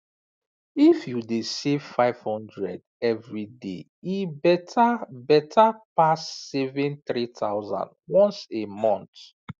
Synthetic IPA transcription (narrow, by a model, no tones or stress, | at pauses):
ifjudesev̥faɪv̥hɔ̃ndɹɛd | ɛvɹidḛ | ibɛtabɛtʰapasːɛvɛ̃nθɹit̪ʰaʊzã̰ndwɔ̃nsemɔ̃nt